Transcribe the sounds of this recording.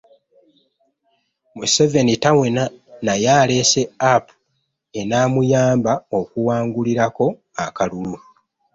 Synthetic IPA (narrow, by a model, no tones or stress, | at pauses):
museve̞nitawe̞nanajaːle̞se̞apu̥ | e̞naːmujaːmbao̞kuwaːŋɡuliɾako̞ | akalulu